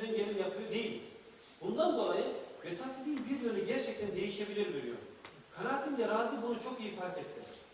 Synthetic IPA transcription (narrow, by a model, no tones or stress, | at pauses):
nynɟelʲinjapʰɯjud̪ejilʲiz̥ | bund̪and̪o̞lˠajɯve̞t̪ʰafʰizinbiɾjønyɟæɾt͡ʃʰɛc̚t̪ʰɛnd̪e̞jiʃe̞bilʲiɾveɾijo̰ɾ | kʰaɾat̪ʰind̪ɛɾaːzɯbunut͡ʃʰo̞kijipaɾt̪et̪ːʰilʲɛɾ̥